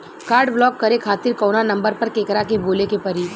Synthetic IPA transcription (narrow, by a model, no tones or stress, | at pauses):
kaːɾɖblɔːkːɐɾekʰaːt̪ɪɾkɔːnanɐ̃mbəɾpɐɾkeːkɾakeboːlekepɐɾi